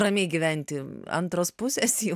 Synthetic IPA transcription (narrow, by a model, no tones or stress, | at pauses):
ɾɐmʲeːɡʲɪʋʲɛnʲt̪ʲɪɐ̰nt̪ɾoːspʊsʲɛs